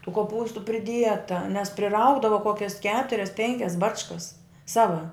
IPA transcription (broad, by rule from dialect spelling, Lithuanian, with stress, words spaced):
tuː koːˈpuːstʊ pʲrʲɪˈdʲiɛtɐ nʲɛs pʲrʲɪˈrɐʊɡdɐʋɐ ˈkoːkʲɛs ˈkʲæːtʊrʲɛs ˈpʲɛŋʲkʲɛs ˈbɑːt͡ʃkɐs ˈsɑːʋɐ